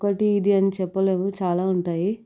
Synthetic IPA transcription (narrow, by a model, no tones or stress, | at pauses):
kɐʈiːd̪iɐnit͡ʃɛpːɐle̞ːmut͡ʃaːlaːuɳʈaːji